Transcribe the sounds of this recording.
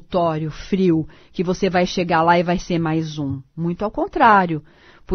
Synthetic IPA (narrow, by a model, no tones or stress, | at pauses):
t̪ɔɾjʊfɾiw | kɪvosevajʃeɡalaɪvajseɾmajzũmũj̃t̪ʊawkõnt̪ɾaɾjʊ | pʊ